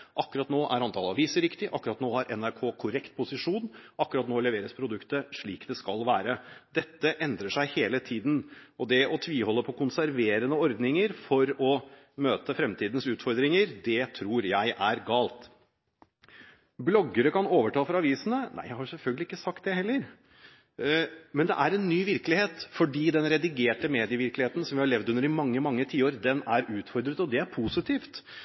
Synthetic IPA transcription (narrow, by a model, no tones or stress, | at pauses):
ʔɑkːʉɾɑt̪noːʔæ̰ɾɑnt̪ʰɑːlɑ̰ʋiːsəɾɪkt̪ɪʔɑkːʉɾɑt̪noːhɑɾʔɛ̰næɾkʰoːkʰʊɾɛkt̪̚pʰʊsɪʂuːnʔɑkːʉɾɑt̪noːlɛʋeːɾəspʰɾʊd̪ʉkt̪əʂɭiːkd̪ɛskɑlʋæːɾəd̪ɛt̪ːəʔɛnd̪ɾəʂæɪheːlət̪ʰiːd̪n̩ɔd̪ɛɔt̪ʰʋiːhɔlːəpʰɔkʊnsæɾʋeːɾənəɔɾd̪nɪŋəɾfɔɾɔ | møːt̪əfɾɛmt̪ʰiːd̪n̩sʉːt̪fɔɾd̪ɾɪŋəɾd̪ɛt̪ʰɾuːɾjæɪʔæɾɡɑːlt̪ | blɔɡːəɾəkɑnoːʋəʈɑːfɔɾɑʋiːsənənæ̰ɪjæɪhɑsɛlfœlɡəlɪɪkːəsɑkt̪̚d̪ɛhɛlːəɾ | mɛnd̪ɛ̰ʔæɾɛnːyːʋɪɾkəlɪheːt̪fɔɖiːd̪ɛnɾɛd̪ɪɡeːʈəmeːd̪ɪəʋɪɾklɪheːt̪n̩sɔmʋɪhɑɭɛʋd̪ʉnəɾɪmɑŋːəmɑŋːət̪ʰiːoːɾd̪ɛnæɾʉːt̪fɔɾd̪ɾət̪ɔd̪ɛæɾpʰusɪt̪ʰiːft̪